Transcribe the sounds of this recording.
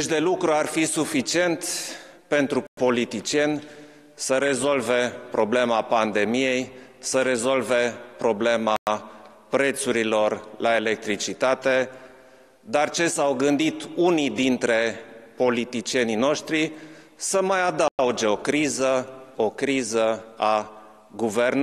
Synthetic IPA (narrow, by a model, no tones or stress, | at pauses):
eʃd̪e̞lukɾuarfisufit͡ʃie̞nt̪ | pe̞nt̪ɾupo̞lit̪it͡ʃie̞nʲ | səɾe̞zo̞lve̞pɾo̞ble̞mapand̪e̞mije̞jsəɾe̞zo̞lve̞pɾo̞ble̞ma | pɾe̞t̪suɾilo̞rlae̞le̞k̚t̪ɾit͡ʃit̪at̪e̞ | d̪art͡ʃe̞sawɡɨnd̪it̪unid̪int̪ɾe̞po̞lit̪it͡ʃie̞nino̞ʃt̪ɾi | səmajad̪aud͡ʒe̞o̞kɾizəo̞kɾizəa | ɡuvern